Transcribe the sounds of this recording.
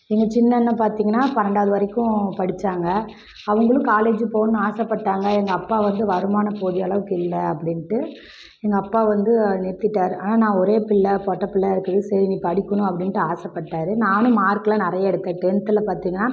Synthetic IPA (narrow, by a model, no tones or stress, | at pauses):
ɛŋɡɐt͡ʃɪnːɐnːɐpaːɾt̪iːŋɡɐnːaːpɐɾɐɳɖaːðɯʋɐɾɐɪkːʊ̃pɐɽɪt͡ʃːaːŋɡɐ | ɐʋɐŋɡɐɭɯ̃kaːleːd͡ʒɯpoːnːɯ̃aːsɐpːɐʈːaːŋɡɐɛŋɡɐːpːaːʋɐnd̪ɯʋɐɾɯmaːnɐpoːðɪjɐɭɐʋɯkːɯɪlːɐɐpːɐɽɪnʈːɯ | ɛŋɡɐːpːaːʋɐnd̪ɯnɛɾt̪ːɪʈːaːɾɯaːnaːnãːɔɾeːpɪɭːɐpɔːʈːɐpɪlːɐɪɾɯkːɐðɯsɛɾinipɐɽɪkːɐɳʊ̃ɐpːɐɽɪnʈːɯaːsɐpːɐʈːaːɾɯnaːnɯ̃maːɾkːɐlãːnɪɾɐjaɛɽɯt̪ːeːʈɛnt̪ːɪlɐpaːɾt̪iːŋɡɐnːaː